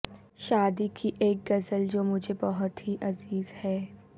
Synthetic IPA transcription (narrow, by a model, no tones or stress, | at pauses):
ʃaːd̪ikʰiʔeːk̚ɡɐzəld͡ʒoːmʊd͡ʒʱebɐɦʊt̪ɦiʔɐziːzhɛː